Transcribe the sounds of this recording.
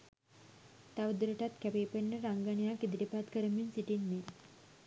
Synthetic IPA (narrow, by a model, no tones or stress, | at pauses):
t̪aʋd̪ɾəʈat̪kɛpepenːəɾaŋɡəɳijakid̪ʈipat̪kəɾəmjunsiʈinːe